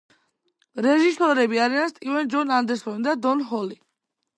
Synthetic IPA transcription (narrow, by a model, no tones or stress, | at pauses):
ɾɛʒisɔɾɛbiaɾianst̪ʼivɛnd͡ʒɔnand̪ɛɾsɔnid̪ad̪ɔnɦɔli